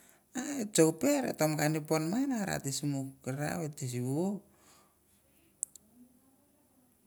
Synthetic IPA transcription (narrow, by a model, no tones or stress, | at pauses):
aet͡ʃowpeɾḛtomkaniponmajnaɾa̰tisimukeɾa̰βetis̬iβo